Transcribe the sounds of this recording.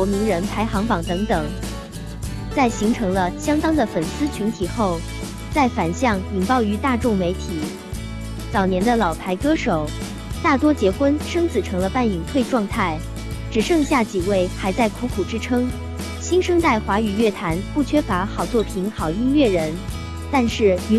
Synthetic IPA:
wɔ˧˥mi˧˥ŋɻə˧˥npʰa˧˥ɪxɑ˧˥ŋpɑ˨˩ŋt̪ɤ˧˥ŋt̪ɤ˨˩˦ŋ | t͡sa˥˩ɪɕi˧˥ŋʈ͡ʂʰɤ˧˥ŋlə˧ɕjɑ˥ŋt̪ɑ˥ŋd̪ə˨fə˨˩nsɹ̩˥t͡ɕʰy˧˥nt̪ʰi˨˩xo˥˩ʊ | t͡sa˥˩ɪfa˨˩nɕjɑ˥˩ŋi˨˩ŋpɑ˥˩ʊy˧˥t̪a˥˧ʈ͡ʂʊ˥˩ŋme˧˥ɪt̪ʰi˨˩˦ | t͡sɑ˨˩ʊnjɛ˧˥nd̪ə˧lɑ˨˩ʊp̪ʰa˧˥ɪkɤ˥ʂo˨˩˦ʊ | t̪a˥˩t̪wɔ˥t͡ɕjɛ˧˥xwə˥nʂɤ˥ŋt͡sʰɹ̩˨˩ʈ͡ʂʰɤ˧˥ŋlə˧pa˥˩ni˨˩ŋt̪ʰwe˥˧ɪʈ͡ʂwɑ˥˧ŋt̪ʰa˥˩ɪ | ʈ͡ʂɻ̩˨˩ʂɤ˥˧ŋɕja˥˩t͡ɕi˨˩we˥˩ɪxa˧˥ɪt͡sa˥˩ɪkʰu˧˥kʰu˨˩ʈ͡ʂɻ̩˥ʈ͡ʂʰɤ˥ŋ | ɕi˥ŋʂɤ˥ŋt͡sa˥˩ɪxwa˧˥y˨˩ɥɛ˥˩t̪ʰa˧˥npu˥˩t͡ɕʰɥɛ˥fa˧˥xɑ˨˩ʊt͡swɔ˥˩pʰi˧˥nxɑ˨˩ʊi˥nɥɛ˥˩ɻə˧˥n | t̪a˥˧nʂɻ̩˥˩y˧˥

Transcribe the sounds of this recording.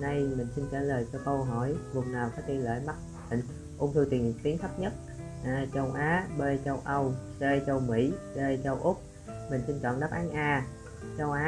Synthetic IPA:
na˧jmï˨˩ŋ̟si˧nt͡ɕəː˧˩ləː˨˩jt͡ɕɔ˧kə˧wɦɔ˧˩jvʊ˨˩ŋ͡mnaː˨˩wkɔ˨˦t̪i˧ənlə̰ː˧˩jma˦˥t̚ | i˨˩ŋ | ʔʊ̰˧˩ŋ͡mt̪ʰɨ˧wt̪i˨˩˨t̪i˨˦nt̪ʰə˦˥p̚ɲə˦˥t̚ | ʔaː˨˧t͡ɕə˧wʔaː˨˦ɓe˧t͡ɕə˧wʔə˧wte˧t͡ɕə˧wmḭ˧˥ɗe˧t͡ɕə˧wʔʊ˦˥k͡p̚ | mï˨˩ŋ̟si˧nt͡ɕwɔ̰ː˧˨nɗə˦˥p̚ʔaː˨˦nʔaː˧ | t͡ɕə˧wʔaː˨˦

